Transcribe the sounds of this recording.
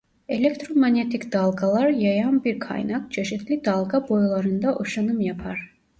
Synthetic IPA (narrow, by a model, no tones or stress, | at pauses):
e̞lʲekt̪ʰɾomanet̪ʰicd̪̥alˠɡalˠaɾjajanbiɾkʰa̰jnak̚t͡ʃʰe̞ʃit̪ʰlʲid̪alˠɡabo̞jlˠaɾɯnd̪aʔoʃanɯmjapʰaɾ̥